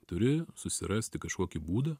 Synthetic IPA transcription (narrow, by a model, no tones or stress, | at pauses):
t̪ʊɾʲɪsʊsʲɪɾɑːsʲt̪ʲɪkɐʃkoːkʲibuːd̪ɐ